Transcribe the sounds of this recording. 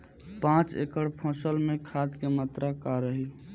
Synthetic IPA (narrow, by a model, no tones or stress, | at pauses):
pãt͡ʃḛkəɽpʰə̃səlmekʰad̪kemət̪ɾakaɾəɦi